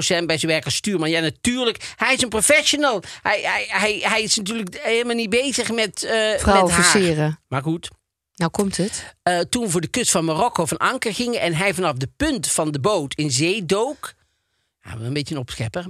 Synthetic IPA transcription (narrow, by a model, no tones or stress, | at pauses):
sɛnbɛjzənʋɛɹkəstyːɹmɑnjanatyːɹləkɦɛjɪsənprofɛʃonəlˠhɛjɛɦɛjɦɛjɪsnat̬yːɹləkeləmalˠnit̚bejzəχmɛtfraɛwɔɦfiasːɪːrəmaːɹχut | nawkɔmtəttunʋəvʊːɹdəkɵstfɑnmarɔkowvɑnʔɑ̰ŋkəɹɣɪŋənɛnɦɛjvɑnɑfdəpɵntfɑndəbowtʰɪnzejdowk | ha̰ːʋəənbejtənɔpsxɛpəɹ